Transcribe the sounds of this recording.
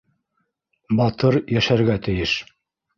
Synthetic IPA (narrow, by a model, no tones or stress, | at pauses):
bɑt̪ɤɾjæʃæɾɡæt̪ɘ̆jɘʃ